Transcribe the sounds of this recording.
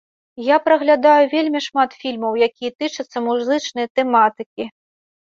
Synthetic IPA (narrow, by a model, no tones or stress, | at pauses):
japɾɐɣlʲad̪ajuvʲelʲmʲiʂmat̪fʲilʲmɐwjakʲijɛt̪ɨt͡ʂɐt̪sːɐmuzɨt͡ʂnɐjɐt̪ɛmat̪ɨkʲi